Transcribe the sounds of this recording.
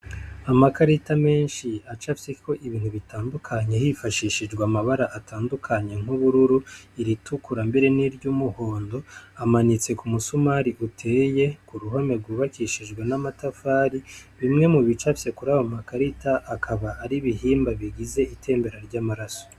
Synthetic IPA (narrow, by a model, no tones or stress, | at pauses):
amakaɾitame̞ːnʃiat͡ʃafsikʰo̞ʔiβiːn̥huβitaːndukʰaɲe̞hifaʃiːʃid͡ʒɡwamaβaɾaʔatʰaːndukʰaɲe̞ŋ̥uβuɾuɾuiɾitʰukuɾambeɾe̞niɾɟumuho̞ːndo̞amanit͡se̞kumusumaɾiʔutʰe̞ːje̞kuɾuɦome̞ɾɡuːβakiʃid͡ʒɡwenamatafaːɾiβimŋe̞muβit͡ʃafse̞kuɾaβamakaɾitaʔːkʰaβaʔːɾiβiɦiːmbaβiɡize̞itʰe̞ːmbe̞ɾaɾɟaːmaɾaso̥